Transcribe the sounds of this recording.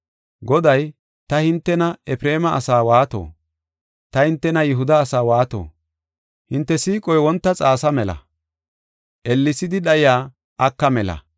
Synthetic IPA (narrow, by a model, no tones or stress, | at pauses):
ɡɔd̪ɐj | t̪ɐhɪnt̪ːɛnɐɛpɾe̞ːmɐʔɐsaːwaːt̪o̰ː | t̪ɐhɪnt̪ːɛnɐjɪɦʊd̪ɐːsaːwaːt̪o̰ː | hɪnt̪ːɛsiːkʼɔjwɔnt̪ːɐt͡sʼaːsɐmɛlɐ̰ | ʔɛlːɪsɪd̪ɪɗɐjɪjaː | ʔɐkːɐmɛlɐ̰